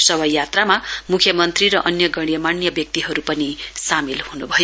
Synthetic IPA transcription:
sʌbʱʌjjat̪ramamukʰjʌmʌnt̪riɾʌʔʌnjʌɡʌɽ̃jʌmanjʌbjʌk̚t̪iɦʌɾupʌnisamilhunṵbʱʌjo

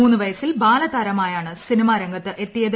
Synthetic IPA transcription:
uːnːɨʋɐjɐsilbaːlɐt̪ɐːɾɐmaːjaːɳɨsinimaːɾɐŋɡɐt̪ːɨʔet̪ːijɐð

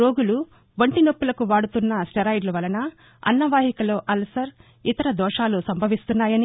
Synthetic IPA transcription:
oːɡulu | ʋɐɳʈino̞pːulɐkuʋaːɽut̪unːɐsʈɐɾɐjɖlɐʋɐlɐnɐ | ɐ̰nːɐʋaːɦikɐlo̞ːʔɐlɐsɐɾ | it̪ɐɾɐd̪ɔːʂaːlusɐmbʱɐʋist̪unːaːjɐni

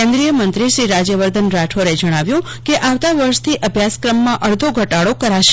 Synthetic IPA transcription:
ɛ̃nd̪ɾijəmənt̪ɾiʃɾiɾad͡ʒjəʋəɾd̪ʱənɾaʈʰoɾed͡ʒəɽ̃aʋjũ | keʔaʋt̪aʋəɾʃt̪ʰiʔəbʱjaskɾəmːãʔəɽd̪ʱoɡʱəʈaɽokəɾaʃ

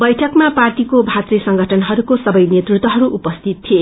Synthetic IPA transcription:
bʌjʈʰʌkmapartikobʱat̪risʌŋɡʱʌʈʰʌnɦʌɾukosʌbʌjnet̪rut̪wʌɦʌɾuʔupʌst̪ʰit̪̚t̪ʰie

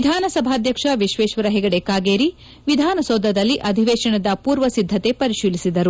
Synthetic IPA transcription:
d̪ʱaːnɐsɐbʱaːd̪ʱjɐkʂɐʋiʃʋeːʃʋɐɾɐɦɛɡɐɽekaːɡeːɾi | ʋid̪ʱaːnɐsoːd̪ʱɐd̪ɐlːiʔɐd̪ʱiʋɛːʃɐɳɐd̪ɐpuːɾʋɐsid̪ʱːɐt̪epɐɾiʃiːlisid̪ɐɾu

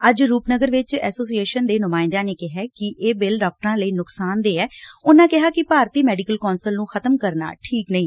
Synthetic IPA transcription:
əd͡ʒɾuːpnəɡəɾʋɪt͡ʃɛ̰ːsoːsieːʃənd̪eːnʊmãːɪ̃nd̪ãːneːkɪɦɛːkɪʔeːbɪlɖaːk̚ʈəɾãːləiːnʊksaːnd̪eːɛːʊnãːkɪɦaːkɪpaːɾt̪iːmɛːɖikəlkɔːnsəlnũːxʰət̪əmkəɾna̰ːʈʰiːknəĩː

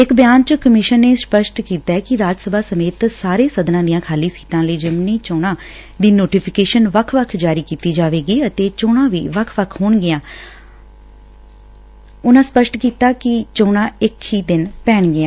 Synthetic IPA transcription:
ɪkbɪjaːnt͡ʃəkəmɪʃənːeːspəʃʈkiːt̪aːɛkɪɾaːd͡ʒsəbaːsəmeːt̪saːɾeːsəd̪nãːd̪ijãːkʰaːliːsiːʈãːləiːd͡ʒɪmnĩːt͡ʃõːɽ̃ãː | d̪iːnoːʈiːpʰɪkeːʃənʋəkʰʋəkʰd͡ʒaːɾiːkiːt̪iːd͡ʒaːʋeːɡiːət̪eːt͡ʃoːɽãːʋḭːʋəkʰʋəkʰɦoːɳɡɪjãː | ʊnãːspəʃʈkiːt̪aːkɪt͡ʃoːɽ̃ãːɪkiːd̪ɪnpɛːɳɡɪjãː

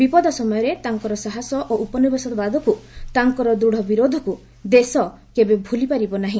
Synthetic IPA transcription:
bipɔd̪asɔmɔjɔɾet̪aŋkɔɾɔsaɦasɔʔoʔupɔnibesɔt̪ɔbad̪ʱɔkut̪aŋkɔɾɔd̪uɽ̤ɔbiɾod̪ʱɔku | d̪esɔ | kebebʱulipaɾibɔnaɦĩ

